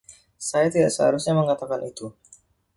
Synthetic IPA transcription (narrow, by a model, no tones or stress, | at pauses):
sajat̪ida̰ʔsəha̰ɾusɲaməŋat̪akanit̪u